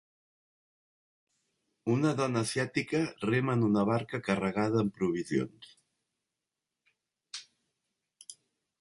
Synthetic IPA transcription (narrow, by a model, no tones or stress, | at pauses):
unəðɔnəːzjat̪ikəremənunəβ̞aɾkəkərəɣaðəːmpɾuβ̞izio̰ns